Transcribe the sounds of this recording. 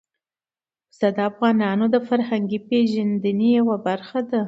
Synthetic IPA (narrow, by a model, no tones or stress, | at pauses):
sad̪ɑafɣɑnɑnod̪əfaɾhaŋɡipeʒand̪ənejawabaɾxad̪a